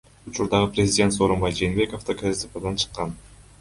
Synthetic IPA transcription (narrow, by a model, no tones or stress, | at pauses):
ut͡ʃuɾd̪ɑʁɯprʲezʲɪdʲe̞nt̪so̞ɾombɑjd͡ʒeːnbe̞koft̪ɑkʰaɾit̪ipad̪ɑnt͡ʃʰɯ̥qːɑn